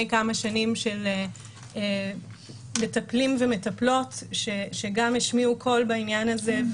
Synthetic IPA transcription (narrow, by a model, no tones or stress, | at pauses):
jkamaʃanimʃele | e | me̞taplimvemetaplo̞tʃeʃeɡameʃmiukʰo̞lbainjanaze